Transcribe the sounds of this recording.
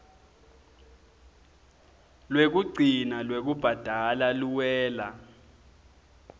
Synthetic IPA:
lwek̬uɡ͡ǀʱinalwek̬ub̥ʱad̥ʱalaluwɛːla

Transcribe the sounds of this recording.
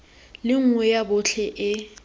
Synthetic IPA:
lɪŋ̩ŋwɛjabʊɬʰɛʔɪ

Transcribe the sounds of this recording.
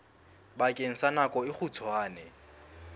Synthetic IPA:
bakʼeŋ̩sanakʼɔɪχut͡sʰwaːnɛ

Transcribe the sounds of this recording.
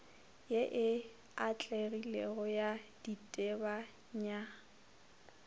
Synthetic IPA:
jeʔɪ | at͡ɬʼeɣilɛɣɔjad̥itʼeba | ɲa

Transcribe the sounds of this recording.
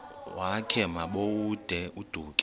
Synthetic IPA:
wakʰɛmaɓowud̥ʱɛʔud̥ʱuːkʼ

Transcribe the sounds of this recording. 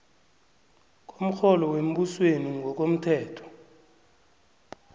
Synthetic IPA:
k̬ʼom̩xɔlɔwem̩ɓusweniŋʱɔk̬ʼom̩tʰɛːtʰɔ̥

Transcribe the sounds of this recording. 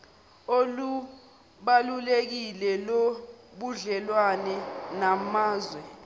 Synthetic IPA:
olu | ɓalulek̬ilɛloɓuɮɛlwanɛnamaːzwɛ

